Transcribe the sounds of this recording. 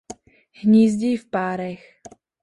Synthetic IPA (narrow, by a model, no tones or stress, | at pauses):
hɲiːzɟifpaːɾɛx